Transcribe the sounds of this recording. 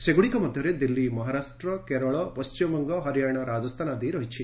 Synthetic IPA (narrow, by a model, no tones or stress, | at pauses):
seɡuɽikɐmɐd̪ʱjɐɾed̪ilːimɐɦaɾaːʂʈɾɐkeɾɐɭɔpɐst͡ʃimɐmɐŋɡɐɦɐɾjajɳ̃ɐɾaːd͡ʒɐst̪ʰanad̪iɾɐɦit͡ʃʰi